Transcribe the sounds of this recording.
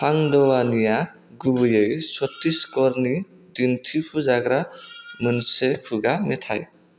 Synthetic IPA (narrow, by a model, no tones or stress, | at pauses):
pʰaŋd̪ɔwanija | ɡubɯjʌjsɔtːiskɔɾni | dintʰipʰuzaɡɾamunsepʰuɡamet̪ʰa̰j